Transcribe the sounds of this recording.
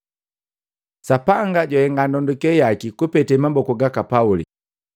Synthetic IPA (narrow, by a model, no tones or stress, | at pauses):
sapaŋɡaɟɔhɛŋɡandɔndukɛjakikupɛtɛmambɔkuɡakapaulḭ